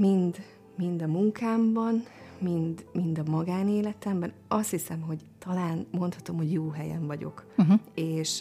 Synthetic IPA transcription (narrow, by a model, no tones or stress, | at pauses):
mind̪ | mind̪ɒmuŋkaːmbɒnmind̪mind̪ɒmɒɡaːneːlɛt̪ɛmbɛnɒst̪hisɛmɦo̞ɟt̪ɒlaːnmo̞nt̪hɒt̪o̞mho̞ɟjoːɦɛjɛ̰ɱvɒɟo̞̰keːʃ